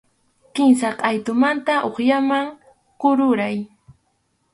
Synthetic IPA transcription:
kɪmsaqajt̪ʊmant̪aʔoχjamaŋ | qʊɾʊɾaj

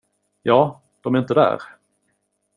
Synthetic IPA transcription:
jɑː | d̪̥ɔmæɾɪnt̪əd̪æ̰ːɾ

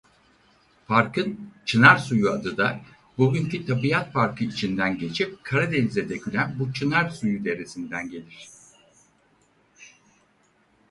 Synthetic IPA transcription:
paɾkɯnt͡ʃʰɯnaɾsujuad̪ɯd̪a | buɟyɲcʰyt̪ʰabijat̪paɾkʰɯit͡ʃʰind̪ænɟe̞t͡ʃʰip̚kʰaɾad̪ɛnzed̪ɛcʰylʲænbut͡ʃʰɯnaɾsujud̪e̞ɾesind̪ænɟe̞lʲiɾ̝̥

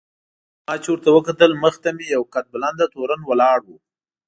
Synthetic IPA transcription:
mɑt͡ʃewəɾt̪awəkat̪əlməxt̪amejawkat̪̚baland̪at̪oɾanwəlɑɽwu

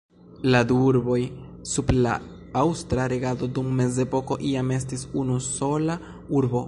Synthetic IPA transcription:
laduuɾbo̞jsubla̰ | awstɾaɾeɡado̞dumːe̞ze̞po̞ko̞ʔiame̞stisunuso̞la | uɾbo

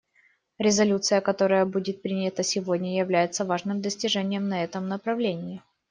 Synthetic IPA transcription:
ɾʲɪzɐlʲut̪sɨjəkɐt̪o̞ɾəjəbudʲɪt̪̚pɾʲinʲət̪əsʲɪvo̞dʲnʲəjɪvlʲæjɪt̪səvaʐnɨmd̪əsʲtʲɪʐɛnʲɪjəmnɐɛt̪əmnəpɾɐvlʲenʲɪɪ

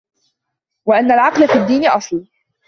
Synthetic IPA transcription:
waʔanːalʕɑqlafiːd̪ːiːnɪʔɑsˤl

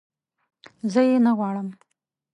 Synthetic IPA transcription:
zəjenaɣwɑɽəm

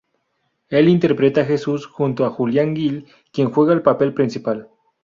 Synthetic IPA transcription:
e̞lint̪e̞ɾpɾe̞t̪axe̞susxunt̪oaxuljaŋɡil | kje̞nxwe̞ɣaelpape̞lpɾinsipal

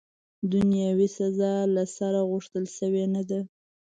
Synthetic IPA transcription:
d̪ʊnjɑwisazɑlasaɾaɣʊʂt̪əlʃəwenad̪a

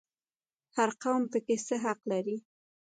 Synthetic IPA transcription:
haɾqawmpəkesəɦaqlaɾi

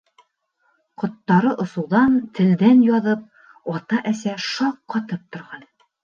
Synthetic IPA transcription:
qŏt̪ːɑɾɤʔŏsŭwðɑnt̪ʰɘ̆ld̪ænjɑðɤp̚ | ɒt̪ɑʔæsæʃɑqːɑt̪ɤp̚t̪ŏɾʁɑn

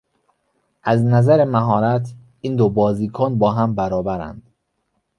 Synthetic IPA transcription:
ʔæznæzæɾemæɦɒːɾæt̪ʰ | iːnd̪obɒːziːkʰonbɒːɦæmbæɾɒːbæɾæ̰nd̪̥

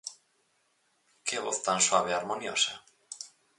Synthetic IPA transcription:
keβo̰θt̪answaβ̞eaɾmonjosa

